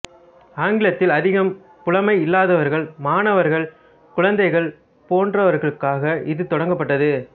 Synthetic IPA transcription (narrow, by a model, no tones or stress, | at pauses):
aːŋɡɪɭɐt̪ːɪlɐðɪɣɐm | kʊlɐmɐɪɪlːaːðɐʋɐɾɣɐɭmaːnɐʋɐɾɣɐɭ | kʊɻɐnd̪ɐɪɣɐɭ | poːndrɐʋɐɾɣɐɭɯkːaːɣɐʔɪðɯt̪ɔɽɐŋɡɐpːɐʈːɐðɯ